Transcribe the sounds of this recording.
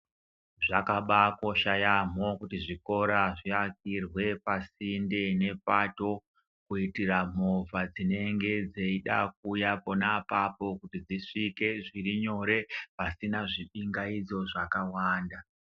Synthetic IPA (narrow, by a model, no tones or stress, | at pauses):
ʐakaɓako̞ʃajamo̞kutiʐiko̞ɾaʐiak̚irwe̞pasinde̞ne̞pato̞ | kuitiram̤o̞vad͡zine̞ŋɡe̞d͡ze̞iɗa̰k̚ujapo̞napapo̞kutid͡ziʂike̞ʐiriɲo̞ɾe̞pasinaʐiɓiŋɡaid͡zo̞ʐakawaːnda